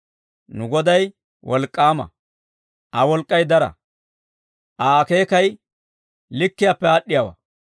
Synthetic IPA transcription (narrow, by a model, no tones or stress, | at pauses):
nʊɡɔd̪ɐj | wʔɔlkʼːaːmɐ̰ | ʔɐwɔlkʼːɐjd̪ɐɾɐ̰ | ʔaːke̞ːkɐj | lɪkːɪjaːpːɛaːɗːɪjaːwɐ̰